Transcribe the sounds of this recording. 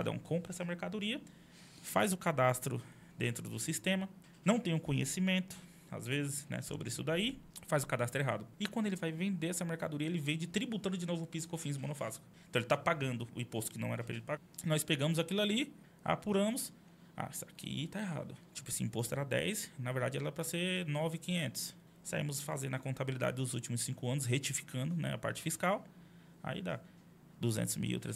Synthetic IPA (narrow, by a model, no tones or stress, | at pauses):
ka̰d̪ɐ̰̃kʰõmpɾɐɛsɐmeɾkad̪oɾiɐ | fa̰zʊkad̪ast̪ɾʊ̰ | d̪ẽnt̪ɾʊd̪ʊsist̪ẽmɐ | nɐ̃w̃t̪ẽj̃ʊ̃kõɲḛsimẽnt̪ʊ̥ | a̰zvezɪsnɛ̰so̰bɾɪisʊd̪aifazʊkad̪ast̪ɾʊeɦa̰d̪ʊɪkw̃d̪ʊelɪvajvẽnd̪eɛsɐmeɾkad̪oɾiɐelɪvẽd͡ʒɪt̪ɾibut̪ɐ̃nd̪ʊd͡ʒɪnovʊpizkofĩzmõnofa̰zi̥kʊ̥ẽt̪ɐ̃elɪt̪apaɡɐ̃nd̪ʊʊ̰ĩpost̪ʊ̥kɪnɐ̃w̃ɛ̰ɾɐpɾɐḛlɪpaɡanɔjspeɡɐ̃mʊzakilʊali | a̰puɾɐ̃mʊs | a̰sakʰḭt̪aeɦa̰d̪ʊt͡ʃi̥pʊesiĩpost̪ʊɛ̰ɾad̪ɛ̰jsnɐveɾd̪ad͡ʒɪɛlɐɛpɾɐseɾnɔvɪkĩẽnt̪ʊ̥s | sa̰ḭ̃mʊsfa̰zẽnd̪ɐkõt̪abilid̪a̰d͡ʒɪd̪ʊzut͡ʃimʊsĩŋkʊɐ̃nʊs̬ɦet͡ʃifi̥kʰɐ̃nd̪ʊnɛ̰apa̰ɾt͡ʃɪ̥fiskaw | a̰ḭd̪a̰ | d̪uzḛ̃nt̪ʊzmḭw̰t̪ɾḛ